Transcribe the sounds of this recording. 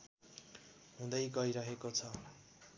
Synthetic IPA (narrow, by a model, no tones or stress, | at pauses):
ɦũd̪ʌjɡʌiɾʌɦekot͡sʰʌ